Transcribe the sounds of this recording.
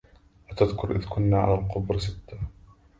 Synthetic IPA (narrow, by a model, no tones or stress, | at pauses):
ʔat̪aðkʊɾʔɪ̰ðkʊnːaːʕa̰lalqʊbɾsɪt̪ːa